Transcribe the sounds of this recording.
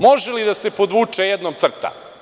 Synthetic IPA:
mo̞ʒelid̪ase̞pod̪ʋuːt͡ʂejed̪noɡ̪̚sr̩t̪a̰

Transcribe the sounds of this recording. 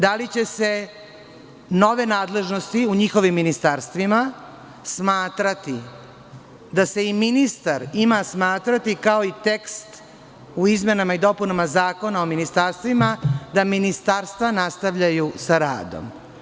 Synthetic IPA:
d̪alit͡ɕe̞se̞ | no̞ʋe̞naːd̪le̞ʒnost̪iuɲixo̞ʋimːinist̪aɾst̪ʋima | smaːt̪ɾat̪i | d̪ase̞iminist̪aɾimasmaːt̪ɾat̪ikaoit̪ekst̪ | uizmenamaid̪o̞punamazaːko̞naominist̪aɾst̪ʋimad̪aminist̪aɾst̪ʋanast̪aʋʎajusaɾa̰ːd̪o̰m

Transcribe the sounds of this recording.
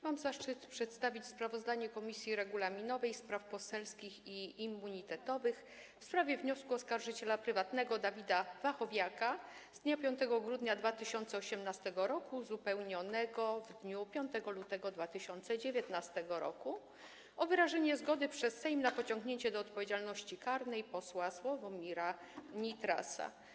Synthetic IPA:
mamzaʂt͡ʂɘt̪pʂɛt̪st̪avʲit͡ɕspɾavɔzd̪aɲɛkɔmʲisʲjiɾɛɡulamʲinɔvɛjspɾafpɔsɛlskʲixiimːuɲit̪ɛt̪ɔvɘx | fspɾavʲjɛvɲɔskuɔskaɾʐɘt͡ɕɛlapɾɘvat̪nɛɡɔd̪avʲid̪avaxɔvʲjaka | z̥d̪ɲapʲjɔnt̪ɛɡɔɡɾud̪ɲad̪vat̪ɘɕɔnt̪sɛɔɕɛmnast̪ɛɡɔɾɔkuzupɛwɲɔnɛɡɔvd̪ɲupʲjɔnt̪ɛɡɔlut̪ɛɡɔd̪vat̪ɘɕɔnt̪sɛd͡ʑevʲjet̪nast̪ɛɡɔɾɔ̰ku | ɔvɘɾaʐɛɲɛzɡɔd̪ɘpʂɛsːɛjmnapɔt͡ɕɔŋɡɲeɲt͡ɕɛd̪ɔːt̪̚pɔvʲed͡ʑalnɔɕt͡ɕikaɾnɛjpɔswaswɔvɔmʲiɾa | ɲit̪ɾa̰sa̰

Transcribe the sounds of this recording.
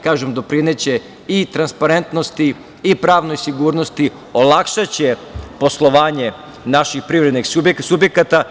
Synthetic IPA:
kaːʒemd̪o̞pɾinet͡ɕe̞ | it̪ɾanspaɾe̞nt̪no̞st̪iː | pɾaːʋno̞jsiɡuːɾno̞st̪i | olˠakʃat͡ɕepo̞slˠo̞ʋaːɲe̞ | naʃixpɾiʋɾed̪niɡsubjeksubjekat̪a

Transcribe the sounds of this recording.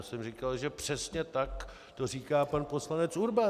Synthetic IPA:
sɛmrikalʒɛpr̥ɛsɲɛt̪ak | t̪oriːkaːpanpo̞slanɛt͡suɾba

